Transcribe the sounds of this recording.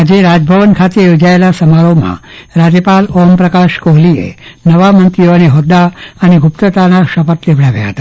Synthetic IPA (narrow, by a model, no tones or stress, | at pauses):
ad͡ʒeɾad͡ʒbʱəʋənkʰat̪ejod͡ʒaelasəmaɾomã̰ɾad͡ʒəpalɔmpɾəkaʃkoɦliḛnəʋamənt̪ɾijoneɦɔd̪aəneɡʱupt̪ət̪anaʃəpət̪lebʱɽaʋja̰ɦə̰t̪a